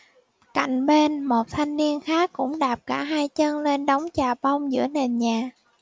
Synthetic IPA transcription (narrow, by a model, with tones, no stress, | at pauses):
ka̰˧˨jŋ̟ɓe˧nmo˨˩t̚t̪ʰa˧jŋ̟ni˧ənxaː˦˥kːʊ̰˧˥ŋ͡mɗaː˨˩p̚kaː˧˩ɦaː˧jt͡ɕə˧nle˧nɗa˨˦wŋ͡mt͡ɕaː˨˩ɓa˧wŋ͡mzɨ̰˧˥əne˨˩nɲaː˨˩